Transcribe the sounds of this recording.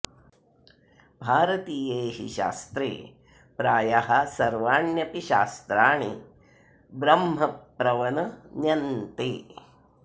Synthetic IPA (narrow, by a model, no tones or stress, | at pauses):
bʱaːɾɐt̪iːjeːɦḭʃa̰ːst̪ɾḛː | pɾaːjaɦɐsɐɾʋaːɳjɐpiʃaːst̪ɾaːɳ̃i | bɾɐmɦɐpːɾɐʋɐnɐnjɐnt̪eː